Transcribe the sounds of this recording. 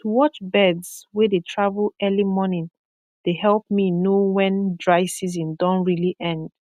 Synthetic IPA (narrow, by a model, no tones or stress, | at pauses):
tʰuwɔt͡ʃbɛdzwɛdetʰɹavəlɛlimɔnĩn | d̥ehɛlˠp̚minowɛ̃ndɹaɪsizĩmdɔ̃ntɹiliʔɛ̃nd̥